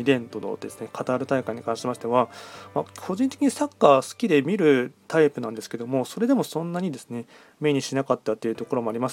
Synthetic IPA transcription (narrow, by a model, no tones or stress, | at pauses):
ibẽ̞nt̪o̞no̰d̪e̞sɨ̥ne̞kʰat̪aːɾɯ̟t̪aikãɲ̟ːikãɕiemaɕi̥t̪e̞βamakʰo̞ʑĩnt̪e̞kʲiɲ̟isakːasɨ̥kʲid̪e̞mʲiɾɯ̟t̪aipɯ̟nãnd̪e̞sɨ̥ke̞d̪o̞mo̞so̞ɾe̞d̪e̞mo̞sõ̞nːaɲ̟id̪e̞sɨne̞ | me̞ɲ̟iɕinakat̪ːat̪ːeiɯ̟t̪o̞ko̞ɾo̞mo̞aɾʲimas